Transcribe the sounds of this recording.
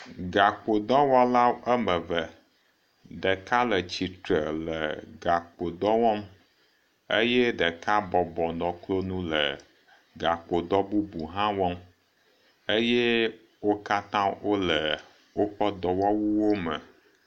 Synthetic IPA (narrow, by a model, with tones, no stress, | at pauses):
ɡa˨k͡po˨d̪ɔ˦wa˦la˦ə˦mə˨və˨ | ɖə˨ka˦lə˨t͡ɕi˨t̪ɾə˨lə˨ɡa˨k͡po˨d̪ɔ˦wɔ˦m | e˦jɛ˦ɖə˨ka˦bɔ˨bɔ˨nɔ̃˨klo˦nũ˦lə˨ | ɡa˨k͡po˨d̪ɔ˦bu˦bu˨ɦã˦wɔ̃˦m | e˦jɛ˦ | wo˦ka˦t̪ã˦wo˦lə˨ | wo˦ɸə˦d̪ɔ˨wɔ˦wu˦wo˦mə̰˨